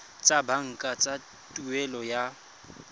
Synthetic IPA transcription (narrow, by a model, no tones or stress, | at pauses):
t͡sʼabaŋ̩kʼat͡sʼa | tʼuwɛlɔja